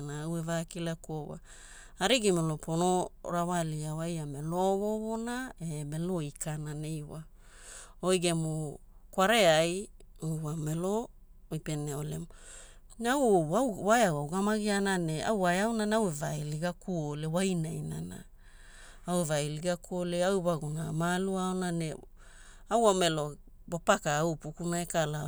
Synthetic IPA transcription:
naawevakilakowa̰ | aɾiɡimelopono̞ɾawaliawajameloβoβonaeme̞loikʰanane̞jwa | ojɡe̞mo | kwaɾe̞ajuwame̞lo | ojpe̞neole̞̰m | awoawajawawɡamaɡianane̞a̰wajawnanawevajliɡakuole̞wajnajna̰na̰ | awevajliɡakuoleawβaɡunamaluaonane | awame̞lo̞ | bapakaawpukunaekala

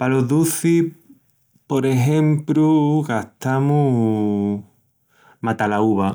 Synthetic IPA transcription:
paloðuθi | poɾeɦẽ̞mpɾuɣaht̪amu | mat̪alauβa

